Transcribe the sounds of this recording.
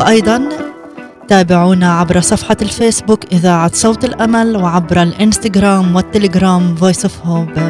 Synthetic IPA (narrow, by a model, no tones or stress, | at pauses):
ʔɑjd̪ˤɑn | t̪aːbɪʕuːnaʕabɾɑsˤɑfħɑlfeːsbʊkʔɪðaːʕat̪sˤɑwt̪ˤɪlʔamalwʕabɾalʔɪnst̪aɡɾaːmwɪt̪ːɪlɪɡɾaːmvoːjsˤɪfhob